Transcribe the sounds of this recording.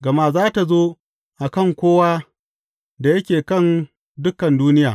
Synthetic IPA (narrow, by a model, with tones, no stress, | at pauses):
ɡɐ˨ma˦zaː˦ta˨zoː˦ | ʔa˨kɐ˦˨ŋkʷoː˦waː˦ | da˨jɐ˦kʲeː˨kɐ˦˨n | dʊ˦kːɐ˨nduː˦nɪ˦jaː˨